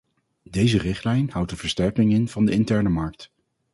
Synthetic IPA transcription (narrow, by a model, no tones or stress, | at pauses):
dejzərɪχtlɛjnhʌwtənv̥əɹstɛɹkɪŋɪnv̥ɑndəɪntɛɹnəmɑɹk̚t